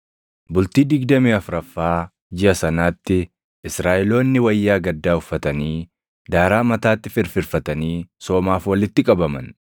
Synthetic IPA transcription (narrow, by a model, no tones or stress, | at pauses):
bʊlt̪iːd̪ɪɡd̪ɐmiːɐfɾɐfːaː | d͡ʒɪʔɐsɐnaːt̪ːɪ | ʔɪsɾaːʔɪlo̞ːnːɪwɐjːaːɡɐd̪ːaːʊfːɐt̪ɐniː | d̪aːɾaːmɐt̪aːt̪ːɪfɪɾfɪɾfɐt̪ɐniːso̞ːmaːfwɐlɪt̪ːɪkʼɐbɐmɐ̰n